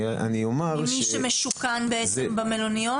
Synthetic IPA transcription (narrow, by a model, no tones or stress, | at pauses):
ʔa̰niomaʁmiʃemeʃukanbeebamelonio